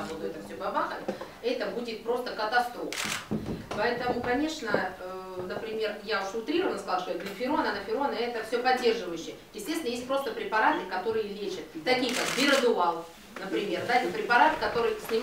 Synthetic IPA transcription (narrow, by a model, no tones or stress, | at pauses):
xod̪ʊɛt̪əfsʲobɐbaxə | ɛt̪əbudʲɪt̪̚pɾo̞st̪əkət̪ɐst̪ɾo̞fə̥pɐɛt̪əmʊkɐnʲe̞ʂnənəpɾʲɪmʲe̞rjaʊʂsʊlˠt̪ɾʲiɾəvənəskɐzɑlˠʃt̪ot̪d̪lʲəfʲɪɾo̞nənəfʲɪɾo̞nəɛt̪əfsʲɵpɐdʲːe̞rʐɨvəjʉɕːɪjəjɪsʲtʲesʲɪnjesʲt̚ʲpɾo̞st̪əpɾʲɪpɐɾat̪ɨkɐt̪o̞ɾɨjəlʲet͡ɕɪt̪̚t̪ːɐkʲijəkakbʲɪɾəd̪ʊalˠ | nəpɾʲɪmʲe̞rd̪aet̪ʲɪpɾʲɪpɐɾat̪ɨ̥kɐt̪o̞ɾɨj̪sʲnʲɪm